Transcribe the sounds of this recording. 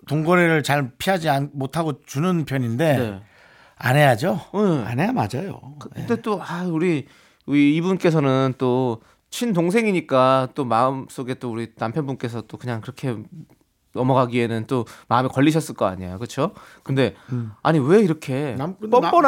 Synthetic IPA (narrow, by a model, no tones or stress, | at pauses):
toŋɡʌɾeɾɯɭt͡ɕaɭpʰiɦad͡ʑianmotʰaɡot͡ɕunɯnpʰjʌɲinde̞ne | a̰nɦe̞jad͡ʑojea̰nɦejama̰d͡ʑajo̰kɯkɯnde̞t͈oauɾi | uiːbunk͈e̞s̬ʰʌnɯnt͈o | t͡ɕʰindoŋs̬ʰe̞ŋiɲik͈at͈omaɯms͈oɡe̞t͈ouɾinampʰjʌnbunk͈e̞sʰʌt͈okɯɲaŋkɯɾʌkʰe̞ | nʌmʌɡaɡie̞nɯnt͈omaɯmikʌʎːiɕʰʌs͈ɯɭk͈ʌa̰ɲijajkɯt͡ɕʰokɯnde̞a̰ɲiwe̞iɾʌkʰe̞pʌp͈ʌn